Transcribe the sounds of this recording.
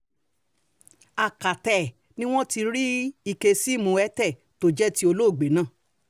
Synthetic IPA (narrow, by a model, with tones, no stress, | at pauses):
a˨ka˨tɛ˨ | nĩ˦w̃ɔ̃˦ti˧ɾi˦i˧ke˧si˦˨mũ˧ɛ˦tɛ˦˨ | to˦d͡ʒɛ˦ti˦o˧lo˦˨ɡ͡be˨˦nãː˦˨